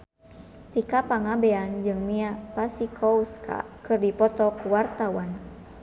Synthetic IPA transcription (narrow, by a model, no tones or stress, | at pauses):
t̪ikapaŋabɛand͡ʒɨŋmiapasikʰɔuskʰa̰kɨrdipɔt̪ɔkuwart̪awan